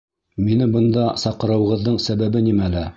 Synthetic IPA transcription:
minɘbɤ̆nd̪ɑsɑqɤ̆ɾɤ̆wɤ̆ʁɤ̆ðːɤɴsæβæbɘnimælæ

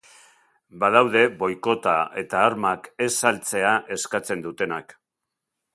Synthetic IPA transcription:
baðawðe̞βo̞jko̞t̪aʔe̞t̪aːɾmake̞salt͡se̞aʔe̞skat͡se̞nd̪ut̪e̞nak

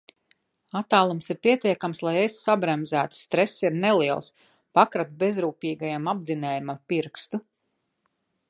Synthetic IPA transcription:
at̪ːaːlˠumsiɾpiɛt̪ʲiɛkamslˠajesːabɾɛmzæːt̪u̥st̪ɾɛsiɾnɛliɛlˠs | pakɾat̪̚bezɾuːpiːɡajamabd̪zinɛːjumampiɾkst̪u

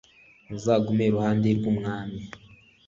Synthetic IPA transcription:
zaːɡumeɾuhaːndeɾɡumŋaːmi

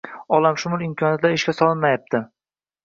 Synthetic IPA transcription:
ɒlamʃʊmʊlˠɪmkʲʰɒnjat̪laɾɪʃkʲasɒlˠɪnmajap̚t̪ʰɪ

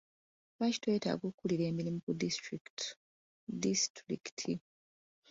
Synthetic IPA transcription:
βaci̥twe̞ːta̰ɡokːuliɾe̞ːmiɾimukudistɾikt | distɾḭktʰi

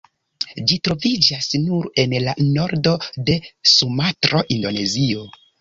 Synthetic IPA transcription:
d͡ʒitɾo̞vid͡ʒasnuɾe̞nlano̞ɾdo̞de̞sumatɾo̞ʔindo̞ne̞zio̞

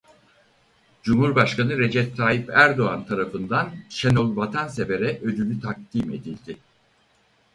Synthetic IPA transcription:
d͡ʒumhuɾbaʃkanɯɾe̞d͡ʒɛp̚t̪ʰːaːjipæɾd̪o̞ant̪ʰaɾafɯnd̪anʃenolˠvat̪ʰanse̞ve̞ɾɛʔø̞d̪ylʲyt̪ʰak̚t̪ime̞̰d̪ilʲd̪ɪ

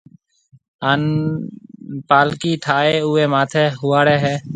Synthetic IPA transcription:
aːn | paːlkiːʈʰaːeːʊːeːmaːt̪ʰeːɦʊːaːɽeːɦɛː

